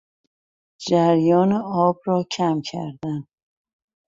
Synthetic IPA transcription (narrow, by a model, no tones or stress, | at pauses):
d͡ʒæɾjɒːneɒːbɾɒːcʰæmcʰæ̰ɾd̪æn